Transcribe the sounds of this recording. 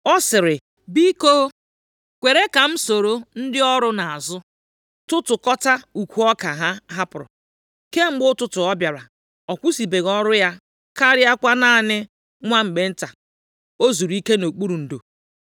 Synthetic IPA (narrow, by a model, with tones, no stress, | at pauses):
ɔ˦sɪ˨ɾɪ˨ | bi˦koː˦ | kʷe˨ɾe˦ka˨m̩˦so˨ɾo˦n̩˦dɪ˦ɔ˦ɾʊ˦na˨a˨zʊ˦ | tʊ˦tʊ˨kɔ˦ta˦u˨kʷu˨˦ɔ˦ka˨ɦa˦ɦa˦pʊ˨ɾɔ̰˨ | ke˦ŋ͡m̩˦ɡ͡bʊ˦tʊ˦tʊ˨ɔ˦bja˨ɾa˨ | ɔ˨kʷu˦si˨be˨ɣɔ˦ɾʊ˦ja˦ | ka˦ɾɪ˦a˦kʷa˦naː˦˨nɪ˦ | ŋʷa˦ŋ͡m̩˨ɡ͡be˦n̩˦ta˨ | o˦zu˨ɾi˦ke˦no˨k͡pu˦ɾu˨n̩˨do˨